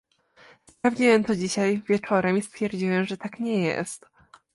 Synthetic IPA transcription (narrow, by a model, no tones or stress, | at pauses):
spɾavd͡ʑiwɛmt̪ɔd͡ʑiɕajvʲjɛt͡ʂɔɾɛmist̪fʲjɛɾd͡ʑiwɛmʐɛt̪akɲɛjɛ̰st̪